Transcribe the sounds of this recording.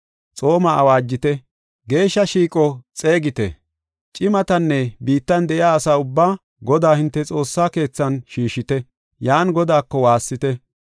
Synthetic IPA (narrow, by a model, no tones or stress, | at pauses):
t͡sʼo̞ːmɐːwaːd͡ʒːɪt̪ɛ | ɡe̞ːʃːɐʃiːkʼɔt͡sʼe̞ːɡɪt̪ɛ̰ | t͡ʃʼɪmɐt̪ɐnːɛbiːt̪ːɐnd̪ɛʔɪjaːsaːʊbːaː | ɡɔd̪aːhɪnt̪ːɛt͡sʼo̞ːsːaːke̞ːt͡sːɐnʃiːʃːɪt̪ɛ | jaːnɡɔd̪aːkːɔwaːsːɪt̪ɛ